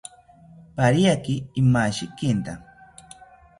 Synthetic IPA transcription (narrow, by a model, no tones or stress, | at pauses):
paɾjakiːmaʃikint̪a